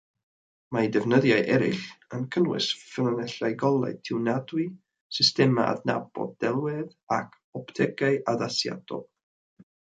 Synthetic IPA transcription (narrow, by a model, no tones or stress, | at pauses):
majdɛvnəðjaɨʔɛɾɪ̰ɬənkʰəlwɪ̰sfɪlˠənɛɬajɡɔlˠa̰ɨtʰɪwnadwi | sɪstɛma̰ʔa̰dna̰bɔ̰d̚dɛlˠwɛð | a̰kʰ | ɔptʰɛɡaɨʔaðasja̰d̥ɔ̰b